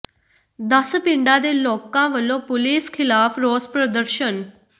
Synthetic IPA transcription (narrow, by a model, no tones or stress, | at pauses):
d̪əspɪ̃ɳɖãːd̪eːlɔːkãːʋəlːõːpʊliːskʰɪlaːpʰɾoːspɾəd̪əɾʃən